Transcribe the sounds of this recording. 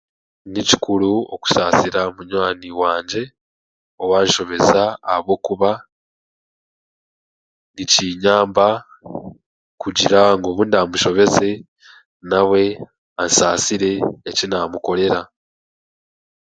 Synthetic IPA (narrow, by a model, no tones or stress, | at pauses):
nici̥kuɾuo̰ku̥saːsiɾamuɲwaːniwaːɲɟe̞ | o̞waːnʃo̞βe̞zaːhaβo̞ːkuβa | niciːɲaːmba | kuɟiɾaŋɡo̞ːβundamuʃo̞βe̞ze̞ | nawe̞ | ansaːsiɾe̞ːcinaːmuko̞ɾe̞ɾa